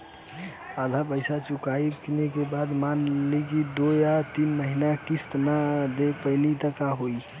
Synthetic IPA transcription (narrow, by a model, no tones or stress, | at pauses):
ad̪ʱapəɪsat͡ʃukaikinekebad̪manlikid̪ojat̪inməɦinakist̪nad̪epəɪnit̪əkaɦoi